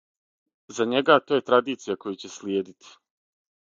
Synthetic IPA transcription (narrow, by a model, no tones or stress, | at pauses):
zaɲeɡat̪oje̞t̪ɾad̪iːt̪sijako̞jut͡ɕeslʲjeːd̪it̪ʰi̥